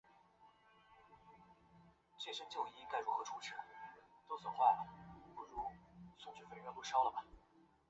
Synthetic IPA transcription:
t͡ɕɛ˥˩ʂɤ˥ŋt͡ɕjo˥˧ʊi˥ka˥˩ɪɻu˧˥xɤ˧˥ʈ͡ʂʰu˧˥ʈ͡ʂʰɻ̩˥˩t̪wɔ˥swɔ˨˩xwa˥˩ɪlpu˥˩ɻu˧˥sʊ˥˧ŋɕ̩˥˩fe˥˩ɥpu˥ʂɑ˥ʊlə˨bɐ˩

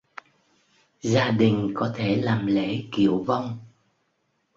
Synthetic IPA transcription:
zaː˧ɗï˨˩ŋ̟kɔ˨˦t̪ʰe˧˩laː˨˩mlḛ˧˥˦kḭ˧˨əwva˧wŋ͡m

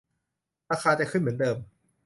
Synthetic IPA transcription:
ɾaː˧xʰaː˧t͡ɕa˨kʰɯ˥˩nmɯ˩˦ndɤː˧m

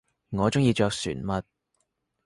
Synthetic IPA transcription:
ŋɔː˨˧t͡sʊ˥ŋjiː˧t͡ʃœː˧k̚sy̰ː˨˩nmɐ˧t̚

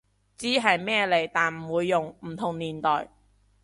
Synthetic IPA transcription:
t͡siː˨˥ɦɐ˨jmɛː˥le˨˩jt̪aː˨nm̩˨˩wuː˨˧jːʊ˨ŋm̩˨˩t̪ʰʊ˨˩ŋniː˨˩nt̪ɔː˨j

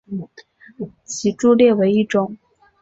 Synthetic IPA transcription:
t͡ɕʰi˧˥ʈ͡ʂu˥˧ljɛ˥˩we˧˥ɪi˥˩ʈ͡ʂʊ˥ŋ

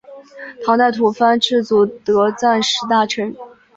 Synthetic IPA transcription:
t̪ʰɑ˧˥ŋt̪a˥˩ɪt̪ʰu˧˥fa˥nʈ͡ʂʰɻ̩˥˩t͡su˧˩t̪ɤ˧˥t͡sa˥˩nʂɻ̩˧˥t̪a˥˩ʈ͡ʂʰɤ˧˥ŋ

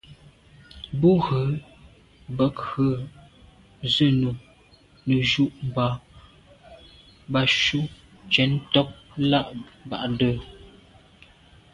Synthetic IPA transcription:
bu˦ɣə˨˦ | bə˦kə˦˨ | zə˦˨nu˨ | nə˨ʒu˦ʔm˨ba˨ | ba˨ʃu˦ | t͡ʃɛ˨˦ntɔ˦p̚la˦ʔba̰˨ʔdə˦˨

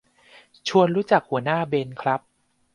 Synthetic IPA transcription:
t͡ɕʰu˧ənɾuː˦˥t͡ɕa˨˩k̚hu˨˩˦ənaː˥˩beː˧nkʰɾa˦˥p̚

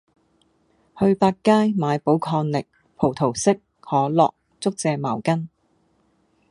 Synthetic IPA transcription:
hɵ˧ɥpaː˧t̚kːaː˥jmaː˨˧jpo˨˥wkʰɔː˧nlɪ˨k̚ | pʰo˨˩wt̪ʰo˨˩wsɪ˥k̚ | hɔː˨˥lɔ̰ː˨k̚ | t͡sʊ˥k̚t͡sɛː˧maː˨˩wkɐ˥n

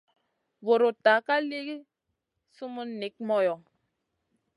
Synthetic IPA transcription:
wo˨ɾo˨ta˨ka˦le˦ɡi˦ | su˦mu˦nːi˨˦k̚mɔ˦jɔ˨

